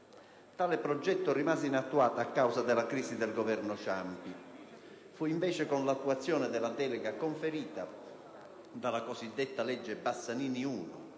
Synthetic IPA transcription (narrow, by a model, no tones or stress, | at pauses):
t̪aːlɪpɾɔd͡ʒːɛt̪ːʊrimaːzɪinat̪ːuaːt̪aːkːawsad̪ɪlakɾiːsid̪ɛlɡɔvɛrnʊʃampi | fuiɱvɛːt͡ʃekonlat̪ːuat̪sːjɔːnɪd̪ɛlad̪ɛːlɛɡakoɱfeɾiːt̪a | d̪alakosid̪ːet̪ːalɛd͡ʒːebasːaniːniuːnʊ̰